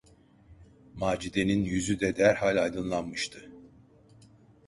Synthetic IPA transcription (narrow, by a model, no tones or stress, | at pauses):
maːd͡ʒid̪eninjyzyd̪ɛd̪æɾhalʲajd̪ɯnlˠanmɯʃt̪ʰɯ